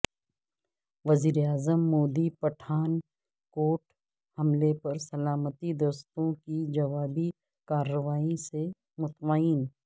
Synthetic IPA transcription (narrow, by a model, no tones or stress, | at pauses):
ʋɐziːɾeaːzəmːoːd̪ipɐʈʰaːn | koːʈ | hɐmlepɐɾsɐlaːmət̪id̪oːst̪õkid͡ʒɐʋaːbi | kaːɾəʋaːĩse | mʊt̪maːɪn